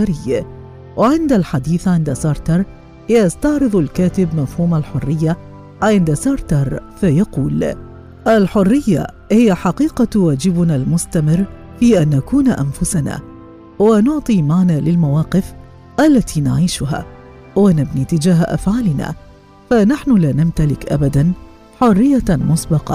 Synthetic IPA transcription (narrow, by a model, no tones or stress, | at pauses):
aɾɪjː | wʔaʕɪnd̪alħad̪iːθʕɪnd̪asɑɾˤt̪ɑɾˤ | jast̪ɑʕɾɨðˤalkaːt̪ɪbmafhuːmalħʊrːɪjːa | ʕɪnd̪asɑːɾˤt̪ɑɾˤfajaquːl | ʔalħʊrːɪjːa̰ | hɪjaħɑqiːqɑwaːd͡ʒɪbnaːlmʊst̪amɪrː | fiːʔanːakuːnʔa̰nfʊsana̰ː | wanʊʕt̪ˤiːmaʕnaːlɪlmawɑːqɪf | ʔalːat̪ʰiːna̰ʕiːʃʊɦa̰ː | wanabniːt̪ɪd͡ʒaːɦʔa̰fʕaːlɪna̰ː | fanaħnʊlaːnamt̪alɪkʔa̰bad̪an | ħʊrːɪjːamʊsbɑqɑ̰